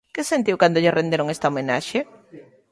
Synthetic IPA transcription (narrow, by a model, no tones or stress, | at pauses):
kesent̪iwkand̪oʎɪrend̪eɾoŋest̪aɐomena̰ʃe